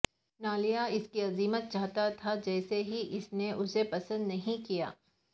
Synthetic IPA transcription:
naːlijaɪskiɐziːmət̪̚t͡ʃaːɦt̪at̪ʰad͡ʒɛːseɦiʔɪsneʔʊsepɐsə̃nd̪nɐɦĩkija̰ː

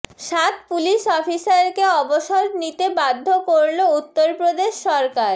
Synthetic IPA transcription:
ʃat̪̚puliʃɔfisaɾkeɔboʃoɾnit̪ebad̪ʱːokoɾlout̪ːoɾpɾod̪eʃːɔɾkaɾ

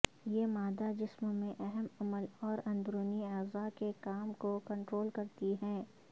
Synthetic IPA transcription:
jeːmaːd̪ad͡ʒɪsmõmẽʔɛɦɛmɐməlɔːɾɐ̃nbɾuːniaːzakekaːmkokɐ̃ɳʈɾoːlkɐɾt̪iɦɛ̃ː

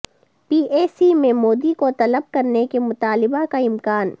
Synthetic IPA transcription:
piːʔeːsimẽmoːd̪ikot̪ɐləb̚kɐɾnekemʊt̪aːlɪbakaɪmkaːn

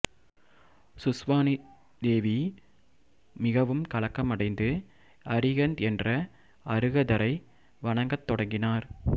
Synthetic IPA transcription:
sʊsʋaːni | d̪eːʋi | mɪɣɐʋɯmkɐɭɐkːɐmɐɽɐɪnd̪ɯ | ɐɾɪɣɐnd̪ɛndrɐ | ɐɾɯɣɐðɐɾɐɪ | ʋɐɳɐŋɡɐt̪ːɔɽɐŋɡɪnaːɾ

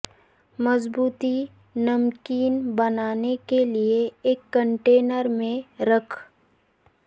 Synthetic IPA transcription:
mɐzbuːt̪i | nɐmkiːnbɐnaːnekelieːkːə̃ɳʈeːnəɾmẽɾəkʰ

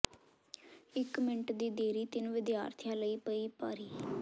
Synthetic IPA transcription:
ɪkmɪɳʈd̪iːd̪eːɾiːt̪ɪnʋɪd̪jaːɾt̪ʰjãːləiːpəiːpaːɾiː

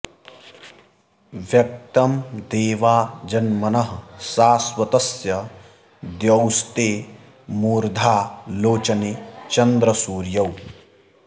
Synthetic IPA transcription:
ʋjɐk̚t̪ɐmd̪eːʋaːd͡ʒɐnmɐnɐɦɐsaːswɐt̪ɐsjɐ | d̪jɐwst̪eː | muːɾd̪ʱaːloːt͡ʃɐneːt͡ʃɐnd̪ɾɐsuːɾjɐw

